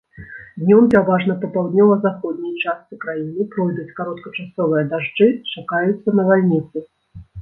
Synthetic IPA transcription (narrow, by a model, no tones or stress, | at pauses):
d̪nʲɔmpʲɛɾavaʐnɐpɐpawd̪ʲnʲɔvɐzaxɔd̪ʲnʲijt͡ʂast̪sɨkɾajinɨpɾɔjd̪ut͡sʲkaɾɔt̪kɐt͡ʂasɔvɨjɐd̪aʐd͡ʐɨt͡ʂakajut̪sːɐnɐvalʲnʲit̪sɨ